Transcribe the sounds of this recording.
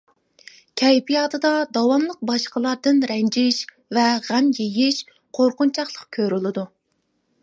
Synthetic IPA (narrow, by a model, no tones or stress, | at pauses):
kʲʰɛjbijɑt̪ʰɨd̪ɑd̪ɑwɑnlˠəq̚bɑʃqəlˠɑɾd̪ɨnɾɛnd͡ʒɪʃ | vɛʁæmjejɪʃ | qʰoɾqʊnt͡ʃʰɑχlˠəqkʲʰøɾylˠɨd̪u